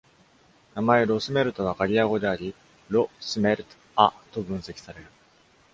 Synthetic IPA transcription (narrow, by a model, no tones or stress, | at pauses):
namae̞ɾo̞sɨme̞ɾɯ̟t̪o̞βakaɾʲijaɡo̞d̪e̞aɾʲi | ɾo̞sɨme̞ɾɯ̟t̪o̥ | at̪o̞bɯ̃ɰ̃se̞kʲi̥saɾe̞ɾɯ̟